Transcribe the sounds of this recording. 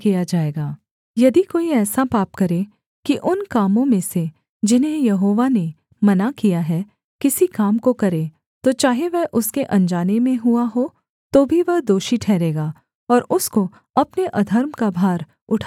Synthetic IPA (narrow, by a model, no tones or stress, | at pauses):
kijad͡ʒaːeːɡaː | jɐd̪ikoːiɛːsapaːpkɐɾe | kiʔʊnkaːmõmẽse | d͡ʒɪnɦẽjɐɦoːʋane | mɐnakijaɦɛ | kɪsikaːmkokɐɾe | t̪ot͡ʃaːɦeʋɛɦʔʊskeʔɐ̃nd͡ʒaːnemẽɦuaɦo | t̪obʱiʋɐɦd̪oːʃiʈʰɛːɾeːɡaː | ɔːɾʊsko | ɐpneʔɐd̪ʱəɾmkabʱaːɾ | ʊʈʰa